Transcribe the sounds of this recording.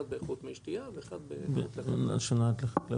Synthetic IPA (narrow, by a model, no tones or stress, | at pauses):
d̪̚beːχut̪meʃt̪iaveeχad̪beb̰a̰ʃanat̪leχkla